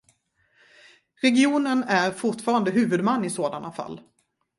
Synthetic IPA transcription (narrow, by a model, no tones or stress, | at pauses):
ɾɛɡɪuːnənæɾfʊʈfɑːɾand̪əɦʉ̟ːvɵd̪manːɪsoːd̪anafa̰lː